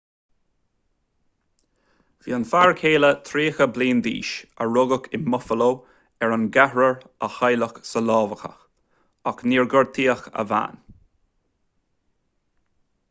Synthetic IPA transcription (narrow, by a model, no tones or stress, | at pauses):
viːənfaːɹkʰeːlət̪ʰɾiːxəbliːnd̪ḭːʃəɹʊɡəkɪmʊfəloː | ɛɹənɡahɹəɹəxajləxsəlɔːvəxə̰x | akniːɹɡəɹ̚t̪ʰiːəxə̰va̰ːn